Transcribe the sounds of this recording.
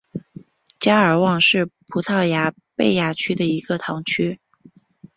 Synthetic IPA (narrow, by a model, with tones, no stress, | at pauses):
t͡ɕja˥ə˞˨˩wɑ˥˧ŋʂɻ̩˥˩pʰu˧˥t̪ʰɑ˥˩ʊja˧˥ | pe˥˩ɪja˥˩t͡ɕʰy˥d̪ə˨i˧˥ɡ̥ə˧t̪ʰɑ˧˥ŋt͡ɕʰy˥